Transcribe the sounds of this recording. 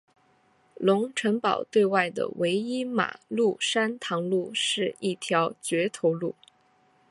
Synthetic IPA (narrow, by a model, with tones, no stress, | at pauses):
lʊ˧˥ŋʈ͡ʂʰɤ˧˥ŋpɑ˨˩ʊt̪we˥˧ɪwa˥˩ɪd̪ə̰˩we˧˥ɪi˥ma̰˨˩lu˥˩ʂa˥nt̪ʰɑ˧˥ŋlu˥˧ʂɻ̩˥˧i˥˩t̪ʰjɑ˧˥ʊt͡ɕɥɛ˧˥t̪ʰo˧˥ʊlu˥˩